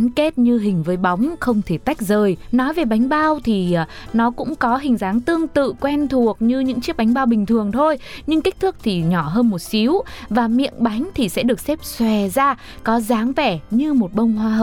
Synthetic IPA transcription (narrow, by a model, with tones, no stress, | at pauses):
nke˦˥t̚ɲɨ˧ɦï˨˩ŋ̟vəː˨˦jɓa˨˦wŋ͡mxə˧wŋ͡mt̪ʰe˧˩t̪a˦˥jk̟̚zəː˨˩jnɔ˨˦jve˨˩ɓa˨˦jŋ̟ɓaː˧wt̪ʰi˨˩˨nɔ˨˦kʊ̰˧˥ŋ͡mkɔ˨˦ɦï˨˩ŋ̟zaː˨˦ŋt̪ɨ˧əŋt̪ɨ̰˧˨kwɛ˧nt̪ʰu˨˩ək̚ɲɨ˧ɲɨ̰˧˥ŋt͡ɕi˦˥əɓa˨˦ŋ̟ɓaː˧wɓï˨˩ŋ̟t̪ʰɨ˨˩əŋt̪ʰo˧jɲɨ˧ŋkï˦˥t̪ʰɨ˦˥k̚t̪ʰi˨˩ɲɔ˧˩ɦəː˧nmo˨˩t̚si˨˦əwvaː˨˩mḭ˧˨ənɓa˨˦jŋ̟t̪ʰi˨˩sɛ̰˧˥ɗɨ˨˩ək̚sɛ˦˥p̚swɛ˨˩zaː˧ | kɔ˨˦zaː˨˦ŋvɛ˧˩ɲɨ˧mo˨˩t̚ɓə˧wŋ͡mɦwaː˧ɦəː˨˩